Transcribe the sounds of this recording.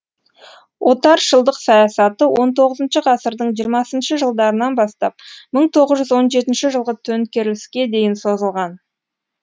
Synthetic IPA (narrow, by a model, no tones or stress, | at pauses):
wo̞t̪ɑɾʒəlˠd̪əqsɑjɑsɑt̪əwo̞nt̪ʰo̞ʁəzənʃəʁɑsəɾd̪əɴʒijəɾmɑsənʃəʒəlˠd̪ɑɾənɑnbɑst̪ɑp̚məɴt̪ʰo̞ʁəzʒʏzwo̞nʒe̞t̪ɪnʃɪʒəlˠʁət̪ʰɵnkʲe̞ɾlɪskʲe̞d̪e̞jɪnso̞zəlˠʁɑn